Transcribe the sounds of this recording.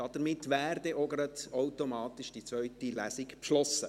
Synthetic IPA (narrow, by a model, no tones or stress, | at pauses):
ɑd̥əɾmɪtːʋæːrd̪ɛʔɔɡəɾətawtomɑːt̪ɪʃd̥it͡sʋœʏtilæːsɪkpʃlɔsə